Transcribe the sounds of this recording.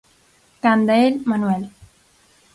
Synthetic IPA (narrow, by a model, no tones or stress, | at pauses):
kand̪eelmanwel